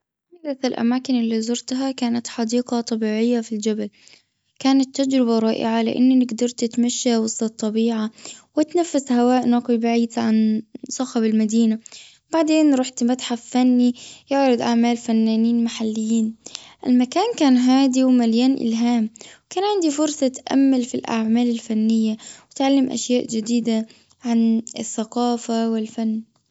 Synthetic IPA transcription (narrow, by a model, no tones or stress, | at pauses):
naɡɾaθɪlʔa̰maːkɪnɪlːizʊɾt̪ɦakaːnat̪ħɑd̪iːqɑt̪ˤɑbiːʕɪjːafild͡ʒabal | kaːnat̪ːad͡ʒɾɪbaɾˤɑːʔɪ̰ʕalɪ̰ʔɪ̰nːinɪɡd̪ɑɾˤt̪ɪt̪maʃːawɑsˤɑt̪ˤːɑbiːʕawɪt̪nafːashawaːʔnɑːqibaʕiːd̪ʕansˤɑxabɪlmad̪iːna | b̥aʕd̪eːnɾˤɑːħt̪mat̪ħaffanːijɪʕɾˤɑd̪ʔaʕmaːlfanːaːniːnmaħalːɪjːiːnʔɪ̰lmakaːnkaːnɦaːd̪iwmaljaːnʔɪ̰lɦaːmkaːnʕɪnd̪ifʊɾsˤɑt̪ʔa̰mːalfilʔa̰ʕmaːlɪlfanːɪjːawɪt̪ʕalːɪmʔa̰ʃjaːʔd͡ʒɪd̪iːd̪a | ʕanɪθːaqɑːfawɪlfanː